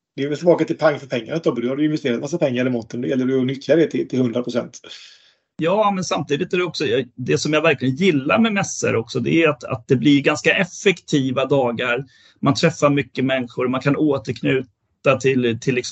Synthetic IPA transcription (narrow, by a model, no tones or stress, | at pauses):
d̪̥ɛɛvɛlt̪ɪlbɑːkat̪ɪlpʰaŋːfœɾpʰɛŋːaɾat̪ːɔbd̪ɵhad̪ɵɪnvɛst̪eːɾat̪masːapʰɛŋːaɾɛmɔnt̪ːənd̪ɛjɛlːəɖɵɔnʏt̪ʰjad̪ɛt̪ʰɪlt̪ʰɪlhɵnd̪ɾapʰɾʊsɛ̰nt̪ | jɑːmɛnsamt̪iːd̪ɪt̪æɾɛɔksɔjd̪ɛsɔmjavæɾklɪɡənjɪlːa̰ɾmɛmɛsːə̰ɾʔɔksɔd̪ɛ̰æat̪a̰t̪̚d̪ɛblɪɾɡanskaʔɛfːɛkt̪ʰiːvad̪ɑːɡaɾ | mant̪ʰɾɛfːaɾmʏkːəmɛnːɪɧʊɾmankʰanoːt̪əɾkʰnʉːt̪at̪ʰɪlt̪ʰɪlːɪks